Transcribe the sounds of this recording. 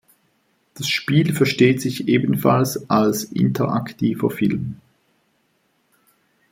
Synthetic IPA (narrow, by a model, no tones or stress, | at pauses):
d̥asʃpiːlfɛɐʃteːtz̥ɪçʔeːbən̩falsʔalsʔɪ̰ntʰəʔa̰ktʰiːvɐ̰fɪlm